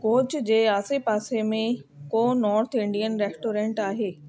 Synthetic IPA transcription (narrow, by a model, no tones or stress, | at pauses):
koːt͡ɕd͡ʑeːaːsepaːsemẽkoːnɔːɾt̪ʰɪ̃ɳɖijənɾeːsʈoːɾẽːɳʈaːɦeː